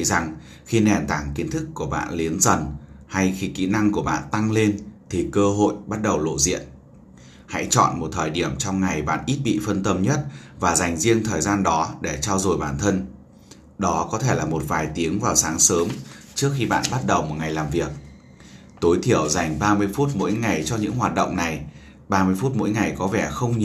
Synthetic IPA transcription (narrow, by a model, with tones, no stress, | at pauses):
za˨˩ŋ | xi˧nɛ˨˩nt̪aː˧˩ŋki˨˦nt̪ʰɨ˦˥kːu˧˩əɓa̰ː˧˨nli˨˦ənzə˨˩nha˧jxi˧kḭ˧˥na˧ŋku˧˩əɓa̰ː˧˨nt̪a˧ŋle˧nt̪ʰi˨˩kəː˧ɦo̰˧˨jɓa˦˥t̚ɗə˨˩wlo̰˧˨zḭ˧˨ən | ha̰˧˥jt͡ɕɔ̰˧˨nmo˨˩t̚t̪ʰəː˨˩jɗi˧˩əmt͡ɕɔ˧wŋ͡mŋa˨˩jɓa̰ː˧˨nʔi˦˥t̚ɓḭ˧˨fə˧nt̪ə˧mɲə˦˥t̚vaː˨˩za˨˩jŋ̟zi˧əŋt̪ʰəː˨˩jzaː˧nɗɔ˨˦ɗe˧˩t͡ɕaː˧wzo˨˩jɓaː˧˩nt̪ʰə˧n | ɗɔ˨˦kɔ˨˦t̪ʰe˧˩laː˨˩mo˨˩t̚vaː˨˩jt̪i˨˦əŋvaː˨˩wsaː˨˦ŋsəː˨˦mt͡ɕɨ˦˥ək̚xi˧ɓa̰ː˧˨nɓa˦˥t̚ɗə˨˩wmo˨˩t̚ŋa˨˩jlaː˨˩mvi˨˩ək̚ | t̪o˨˦jt̪ʰi˧˩əwza˨˩jŋ̟ɓaː˧mɨ˧əjfu˦˥t̚mo̰˧˥jŋa˨˩jt͡ɕɔ˧ɲɨ̰˧˥ŋɦwaː˨˩t̚ɗə̰˧˨wŋ͡mna˨˩j | ɓaː˧mɨ˧əjfu˦˥t̚mo̰˧˥jŋa˨˩jkɔ˨˦vɛ˧˩xə˧wŋ͡mɲ˨